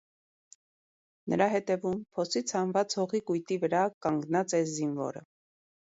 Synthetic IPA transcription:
nʔə̰ɾɑɦɛt̪ɛvumpʰɔsit͡sʰɑnvɑt͡shɔʁikujt̪ivəɾɑkɑŋɡnɑt͡sɛzinvɔ̰ɾə̰

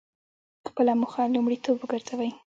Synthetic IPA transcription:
xpəlamʊxalʊmɽit̪obəɡəɾz̥awaj

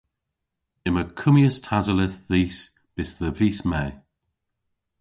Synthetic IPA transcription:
ɪməkʰʊmjəstʰazəlɪθðiːs | b̥ɪsðəviːsmɛː

